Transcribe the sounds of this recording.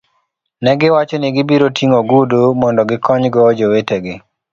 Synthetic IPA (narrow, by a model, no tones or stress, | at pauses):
nɛɡɪwat͡ʃɔniɡɪbiɾotʰiŋoɡudumɔndɔɡɪkɔɲɡɔd͡ʒoweteɡɪ